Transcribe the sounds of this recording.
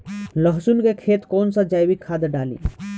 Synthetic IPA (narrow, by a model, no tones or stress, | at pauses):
ləɦsunkekʰeːt̪kɔːnsad͡ʒaːjbikʰaːd̪ɖaːlḭ